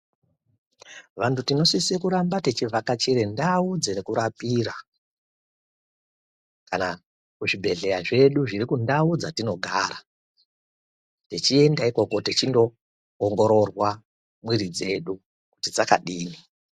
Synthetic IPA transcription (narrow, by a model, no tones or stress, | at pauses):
ʋantʰutino̞sisekuɾambatet͡ʃivʱakat͡ʃeɾendaud͡zerekuɾapiːɾa | kana | kuʐibʱe̞ɮe̞jaʐe̞ɗuʐirikundaud͡zatino̞ɡʱaːɾa | tet͡ʃie̞ndaiko̞ko̞tet͡ʃindo̞ː | ŋɡo̞ɾo̞rwa | mwiɾid͡ze̞ɗu | ku̥tid͡zaka̰ɗiːni